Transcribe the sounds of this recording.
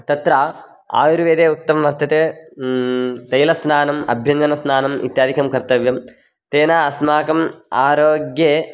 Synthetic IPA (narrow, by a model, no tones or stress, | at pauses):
t̪ɐt̪ɾaː | a̰ːjuɾuʋeːd̪eːut̪ːɐmɐʋɐɾt̪ʰɐt̪eː | t̪ejlɐsnaːnɐmɐ̰bʱjɐnd̪ɐnɐsnaːnɐmḭt̪jaːd̪ʱikɐmkɐɾt̪ɐʋjɐm | t̪eːnaːɐsmaːkɐmaːɾoːɡjeː